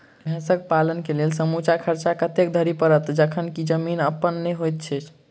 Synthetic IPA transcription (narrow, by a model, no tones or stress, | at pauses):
bʱɛ̃səkpalənkelelsəmut͡ʃakʰəɾt͡ʃakət̪ek̚d̪ʱəɾipəɾət̪d͡ʒəkʰənkid͡ʒəminəpːənːeɦojt̪̚t͡ʃʰɛt͡ʃʰ